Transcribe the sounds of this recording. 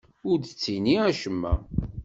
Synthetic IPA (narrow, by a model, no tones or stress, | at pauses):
ʊɾd̪ət͡sːiniæʃəmːæ